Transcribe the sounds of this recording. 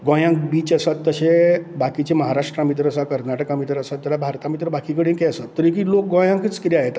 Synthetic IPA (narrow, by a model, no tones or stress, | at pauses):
ɡõjãŋkbiːt͡ɕəsat̪ːəɕebakit͡ɕeməɦaɾaʂʈɾamit̪̬ɾəəsakəɾnaʈəkamit̪ɾəəsat̪ːəɾabʱaɾt̪amit̪ɾəbakikəɽĩnkeəsat̪ːəɾik̬ilok̚ɡõjãŋkit͡skit̪iaɦet̪